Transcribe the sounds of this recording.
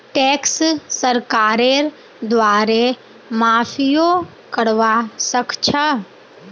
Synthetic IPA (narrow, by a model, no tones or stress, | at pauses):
ʈeːksːəɾkaːɾeɾ | d̪ʋaːɾe | maːpʰijo | kəɽʋasəkt͡ʃʰə